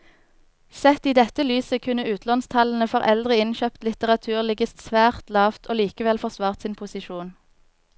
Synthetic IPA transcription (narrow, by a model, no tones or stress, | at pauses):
sɛt̪iːd̪ɛt̪əlyːsəkʰʉnəʉːt̪ʰlɑnst̪ʰɑln̩əfoːʁʔɛld̪ʁɪɪnʃøːpt̪lɪt̪əʁɑt̪ʰʉːʁlɪɡəssʋæːʁt̪lɑːft̪ʰoːliːkəʋɛlfɔʁsʋɑːʁt̪sɪːnpʰʊsɪʃuːn